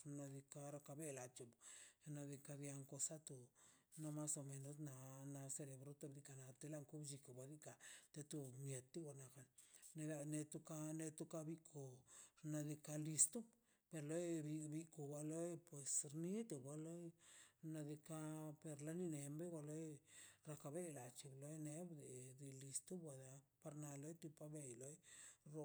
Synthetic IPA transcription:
na˧d̪i˧ka˧ɾa˧ka˧be˦la˨t͡ʃe˨bna˧d̪i˧ka˧d̪ja˧ŋko˧sa˦t̪u˨ | no˧ma˦so˧me˨˧no˧sna˧na˧se˧le˨bɾo˦t̪a˧bd̪i˧ka˧na˧t̪e˧˦la˦˧ŋku˦bd͡ʒi˧ko˨ba˧d̪i˦ka˧t̪e˧t̪u˧mje˨t̪ːi˦ɡa˧˨na˧ka˧nne˧la˧ne˧t̪u˦ka˦ne˧t̪u˦ka˧bi˦kʰo˨ɾna˧d̪i˧ka˧li˧st̪u˦ | pe˧ɾlo˦jbi˧bi˧ko˨ba˧lo˦jpwe˨sɾni˦t̪e˨bʷa˧lo˦jna˧d̪i˧ka˦pe˧ɾla˧ni˧ne˨mbe˦ɡa˧lo˦jɾa˧ka˧be˦la˨t͡ʃi˨blo˦jne˦bd̪e˨ɾi˧li˧st̪u˦bwa˨d̪a˧pa˧ɾna˧lo˦jt̪u˧pa˦be˧jlo˦jɾo˧

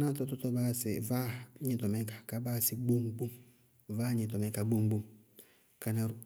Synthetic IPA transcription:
na˦tɔ˦tɔ˦tɔ˦ba˦˨sɪ˨va˦ɲɪ˨tɔ˨mɛ˦kḁ˨ka˦ba˦˨sɪ˨ɡ͡bo˦ŋɡ͡bu˦m | va˦ɲɪ˨tɔ˨mɛ˦ka˨ɡ͡bu˦ŋɡ͡bu˦m | ka˨nɛ˨ɾ

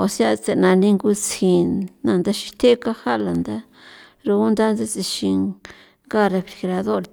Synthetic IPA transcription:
o˨sja˦t͡se˨nã˧nĩ˦ŋɡu˦t͡sĩ˧nnã˧nd̪a˦ʃi̥˧t̪e˦ka˦ha˦la˨nd̪a˦ | ɾu˧u˦nd̪a˦nda˦t͡si˧ʃi˧ | ŋɡa˦ɾe˧fɾi˨xɾa˧ðo˦˨ɾ

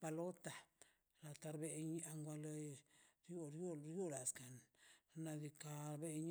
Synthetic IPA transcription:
pa˧lo˦t̪a˨ | la˨t̪a˧ɾbe˧ɲa˧ŋɡʷa˧lo˧ɾjo˦ɾjo˦ɾjo˦la˨ska˨nna˧d̪i˧ka˧ɾbe˦ɲ

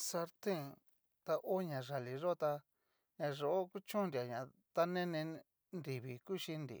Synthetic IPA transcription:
sa˧ɾt̪ẽ˦ | t̪a˧ʔo˦ɲã˨ʐa˨li˨ʐo˦t̪a˧ | ɲã˧ʐo˧o˦ku˦t͡ʃũ˦nɾi˨a˨ɲã˨ | t̪a˦nẽ˦nẽ˧ | nɾi˨βi˨ku˦ʃi˧nd̪ḭ˨

